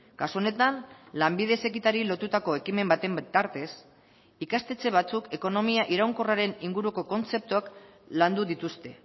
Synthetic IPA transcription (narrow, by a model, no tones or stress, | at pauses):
kasuo̞ne̞t̪anlambið̞e̞se̞kit̪aɾilo̞t̪ut̪ako̞e̞kime̞mbat̪e̞mbt̪aɾt̪e̞s | ikast̪e̞t͡se̞β̞at͡suke̞ko̞no̞miaʔiɾawŋko̞raɾe̞niŋɡuɾuko̞ko̞nt͡se̞p̚t̪uakland̪uðit̪ust̪e̞